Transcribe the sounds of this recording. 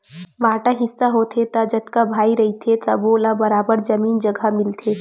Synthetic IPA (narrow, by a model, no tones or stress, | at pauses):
ʋaːʈaɦɪsːaɦoːt̪ʰet̪ad͡ʒɐt̪kabʱaːiɾɐɦit̪ʰet̪ɐ̰boːlabɐɾaːbəɾd͡ʒɐmiːnd͡ʒɐɡʱamɪlt̪ʰeː